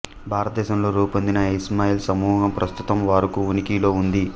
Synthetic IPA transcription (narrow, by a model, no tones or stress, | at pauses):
bʱaːɾɐt̪̚d̪ɛːʃɐmloːɾuːpɐnd̪inɐismaːjiːlsɐmuːɦɐmpɾɐst̪ut̪ɐmʋaːɾukuunikiːlo̞ːund̪i